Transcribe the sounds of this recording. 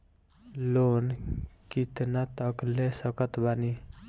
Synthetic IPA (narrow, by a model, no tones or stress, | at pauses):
lonkit̪nat̪əklesʌkət̪bani